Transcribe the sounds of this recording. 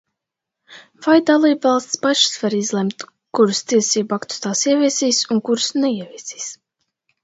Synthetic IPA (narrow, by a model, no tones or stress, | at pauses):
v̥ajd̪alˠiːbvɑlˠst̪ʲspaʃsvaɾizlˠɛmt̪ | kuɾust̪iɛsiːbuakt̪u̥st̪aːsiɛvʲiɛsiːsuŋkuɾsnɛiɛvʲiɛsi̥ːs